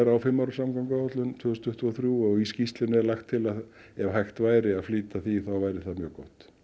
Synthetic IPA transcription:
ɾawfɪmːawɾʏsamkawŋkahɔt̪lʏnt̪ʰvʏːsnt̪ʏht̪vɔːθɾjuɔɣiscist̪lɪnɛɾlajxt̪ʰːɪlað | ɛvɦajxt̪vaːjɾɪaðfliːt̪aθiθawvaːjɾɪθaðmjœːkɔht̪

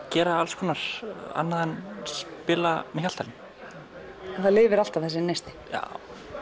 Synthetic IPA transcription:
cɛːɾaalskʰɔːnaɾ̥a̰nːaðɛnspɪːlamɪçal̥t̪ʰːalɪn | ɛnθaðlɪːvɪɾal̥t̪avθɛs̬ɪnejst̪ɪ̥ | ja̰

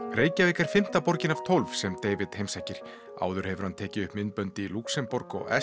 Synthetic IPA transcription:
reːjcaveːhkaɾ̥fɪm̥t̪apɔɾcɪnav̥t̪ʰɔlvsɛmt̪eːjvɪt̪hejmsajcɪɾ̥ | a̰ːwðʏɾ̥hɛvʏɾ̥hant̪ʰɛːcɪʏhpmɪnt̪pœnt̪ɪiluksɛmpɔɾkɔ̰ɣɛ̰

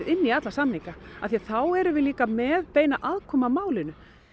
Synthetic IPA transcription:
ðɪnːiat̪lasamːiŋkaa̰θiaθawɛɾʏvɪliːkamɛːðpeːjnaʔaðkʰɔːmamaːwlɪnʏ

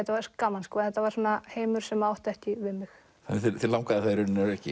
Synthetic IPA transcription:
ɛt̪ːavaɾskamanskvaːnθɛt̪avaɾ̥soːnaheːjmʏɾ̥sɛmaawht̪ɛhc̪ɪvɪðmɪx | aɪθɪθɪlawŋkaðɪθaðɾʏnːɛɾɛhcɪ

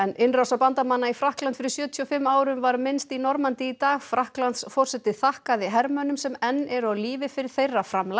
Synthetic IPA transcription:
ɛnɪnrawsapant̪amanːaifɾahklant̪fɪɾɪɾ̥sjœːt̪ʰyɔfɪmːaːwɾʏmvaɾmɪnst̪inɔɾmant̪ɪit̪aːɣfɾahklant̪sfɔr̥sɛt̪ɪθahkaðɪɦɛɾmœnʏmsɛmɛnːɛɾawliːvɪfɪɾɪɾ̥θejrːafɾamla

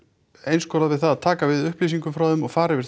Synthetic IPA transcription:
ejnskɔɾaðvɪðθaðaðt̪ʰaːkavɪðʏhpliːs̬iŋkʏmfɾawðʏmɔɣfaːɾɪvɪɾ̥

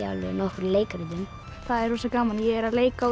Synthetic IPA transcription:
a̰lvɛnɔhkɾleːjkaɾɪðʏm | θaðɛɾ̥huːsakaːmanjɛɣɛɾaleːjka

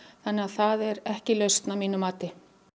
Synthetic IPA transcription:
θanːɪaθaðɛɾɛhcɪlœɥst̪namiːnʏmaːt̪ɪ

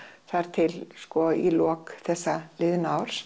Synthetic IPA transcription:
θaɾ̥t̪ʰɪlskɔilɔːkθɛsːalɪðnaawɾ̥s

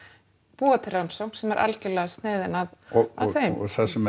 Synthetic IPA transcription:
puat̪ɪɾawnsowŋ̥sɛmɛɾʔa̰lcɪlɛːɣast̪nɪːðɪnaðɔaðθejθɛsːʏm

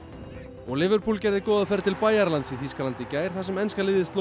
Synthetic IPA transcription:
ɔɣlɪvʏɾpʰulcɛːɾðɪkɔːwðafɛɾ̥t̪ʰɪlpaːjaɾlant̪siθiskalant̪ɪcaːjɾ̥θasɛmɛnskalɪːðɪst̪lo

